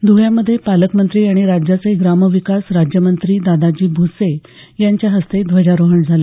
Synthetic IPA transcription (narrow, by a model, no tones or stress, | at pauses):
d̪ʱuɦjaməd̪ʱːjepaləkmənt̪ɾiːaɽ̃iɾad͡ʑjat͡seɡɾaməʋikasɾad͡ʑjəmənt̪ɾiːd̪ad̪ad͡ʑiːbʱusejaɲt͡ɕjaɦəst̪ed̪ʱʋəd͡ʑaɾoɦəɳd͡zʱale